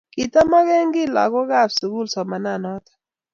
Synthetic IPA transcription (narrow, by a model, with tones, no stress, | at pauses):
ki˨ta˦ma˦ɣɛ˦ŋɡɪ˦la̰˨kɔ˦ɡa˦˨fsu˨ɡu˦lsɔ˨ma˨na˦˨nɔ˦tḁ˨